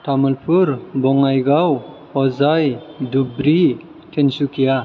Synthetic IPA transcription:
tʰamɯlpʰuɾbɔŋajɡaw | ɔzajdubɾi | tʰensukʰija

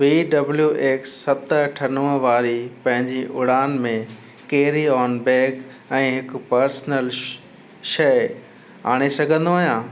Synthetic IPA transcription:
ʋiːɖɐbljuʔeːksːɐt̪ʈʰɐnuːə̃ʋaːɾipɐ̃ɦɪ̃ɲd͡ʑiʔʊɽ̤aːnmẽ | keːɾiɔːnbeːk | ɛ̃ːɦɪk̆pɐɾsnəl | ʃɐɪ | a̰ːɽ̃esɐɡʱə̃nd̪oaːɦijãː

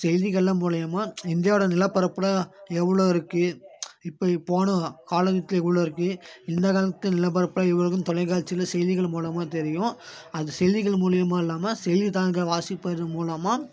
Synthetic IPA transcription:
sɛɪðɪɣɐɭːɐmuːlɪjɐmaːɪnd̪ɪjaːɽɐnɪlɐpːɐɾɐpːɯlɐɛʋːɐɭoːɪɾɯkːɯɪpːɐpoːnɐkaːlɐnɐt̪ːɪlɛʋːɐɭoːɪɾɯkːɯɪnd̪ɐkaːlɐt̪ːɐnɪlɐp̬ːɐɾɐpːɯlɐɛʋːɐɭɯkːɯmt̪ɔlɐɪkaːlt͡ʃːɪlɐsɛjðɪɣɐɭmuːlɐmaːt̪ɛɾɪjʊ̃ɐðɯsɛjðɪɣɐɭmuːlɪjɐmaːɪlːaːmɐsɛjðit̪aːnkɐʋaːsɪpːɐɾɐðɯmuːlɐmaː

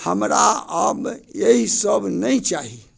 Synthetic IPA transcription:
həmɾaəbeɦisəbnəjt͡ʃaɦi

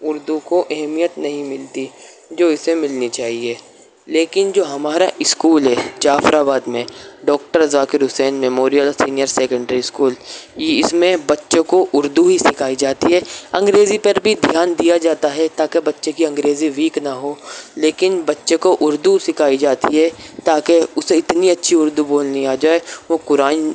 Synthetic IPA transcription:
ʊɾd̪ukoʔɛɦmijət̪nɐɦĩmɪlt̪i | d͡ʒoːɪsemɪlnit͡ʃaːɦie | leːkɪnd͡ʒoːɦɐmaːɾaʔɪskuːlɦɛd͡ʒaːfɾaːbaːd̪mẽɖɔːk̚ʈəɾzaːkɪɾɦʊsɛːnmɛmoːɾijəlsiːnijəɾseːkə̃ɳɖɾiɪskuːljɪsmẽbɐtːʃõkoʔʊɾd̪uɦisɪkʰaːid͡ʒaːt̪iɦɛːɐ̃ŋɡɾeːzipɐɾbʱid̪ʱjaːnd̪ijad͡ʒaːt̪aɦɛt̪aːkebɐtːʃekiɐ̃ŋɡɾeːziʋiːknɐɦoːleːkɪnbɐtːʃekoʔʊɾd̪usɪkʰaːid͡ʒaːt̪iɦɛt̪aːkeʊseɪt̪niɐtːʃʰiʊɾd̪uboːlniaːd͡ʒaːeʋokʊɾaːn

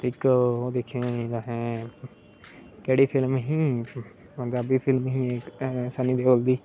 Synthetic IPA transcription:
ʈʰɪːkoːd̪ekʰẽːd̪aɦɛ̃ː | kɛːɽiːpʰɪlmɦĩː | d̪abiːpʰɪlmɦĩːeːsənĩːd̪eːold̪iː

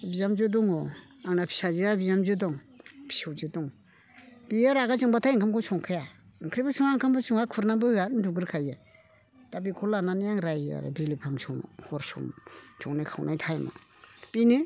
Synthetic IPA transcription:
bijamd͡ʒɯdɔŋɔ | aŋnapʰi̥saziabijamzɯdɔŋ | pʰi̥sɔwd͡ʒɯdɔŋ | b̥ijaɾaɡazɯŋbatʰajiŋkʰamkʰɔsɔŋkʰajakʰɾibɯsɔŋaŋkʰambɔsɔŋakʰuɾnabɯhɯatnduɡɯɾkʰaja | tabikʰɔlananijaŋɾaja̰ɾɯ̰bilipʰamsɔŋɔ̰hɔɾsɔ̰mt͡ʃʰɔŋnajkʰawnʔajtʰajma̰binɯ

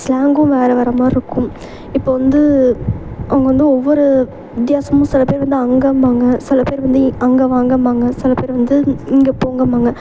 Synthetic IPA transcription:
slaːŋɡʊ̃ʋeːɾɐʋɐɾɐmaːɪɾɯkːɯm | ɪpːoːʋɐnd̪ɯ | ʔɐʋɐŋɡɐʋɐnd̪ɯɔʋːɔɾɯ | ʋɪt̪̬jaːsɐmʊ̃ːsɪlɐpeːɾʋɐnd̪ɯɐŋɡɐmaːŋɡɐsɪlɐpeːɾʋɐnd̪ɯɐŋɡɐʋaːŋɡɐmaːŋɡɐsɪlɐpeːɾʋɐnd̪ɯɪŋɡepoːŋɡɐmaːŋɡɐ

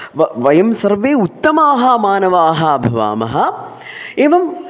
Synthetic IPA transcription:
ʋɐʋɐjɐmsɐɾʋeːut̪ːɐmaːɦɐmaːnɐʋaːɦɐbʱɐʋa̰ːmɐ̰ɦɐ | eːʋɐm

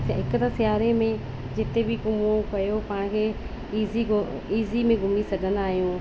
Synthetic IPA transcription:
ɦɪkət̪asɪjaːɾemẽ | d͡ʑɪt̪ebɪkʊmokɐjopaːɽ̃kʰeː | iːzi | iːzimẽɡʱʊmisɐɡʱə̃nd̪aːɦijũː

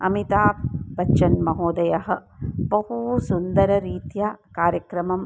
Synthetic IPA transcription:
ɐ̰mit̪aːbɐt͡ʃʃɐnmɐɦoːd̪ɐjɐɦɐ̆bɐɦusund̪ɐɾɐɾiːt̪jakaːɾjɐkɾɐmɐm

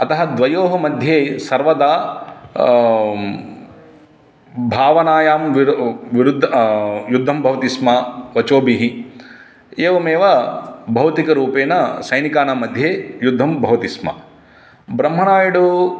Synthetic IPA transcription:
ɐt̪ɐɦɐd̪ʋɐjoːɦɐmɐd̪ʱjeːsɐɾʋɐd̪aː | bʱaːʋɐnaːjaːmʋiʋiɾud̪ʱːjud̪ʱːɐmbʱɐʋɐt̪ismaːʋɐt͡ʃoːbiɦi | eːʋɐmeːʋɐbʱɐʋt̪ikɐɾuːpeːnɐsɐjnikaːnaːmɐd̪ʱjeːjud̪ʱːɐmbʱɐʋɐt̪ismɐ̰ | bɾɐmɦɐnaːjɐɽu

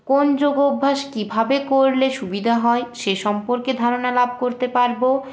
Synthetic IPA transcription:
kond͡ʑoɡobʱːaʃkibʱabekoɾleʃubid̪ʱaɦɔeʃeʃɔmpoɾked̪ʱaɾonalab̚ʱkoɾt̪epaɾbo

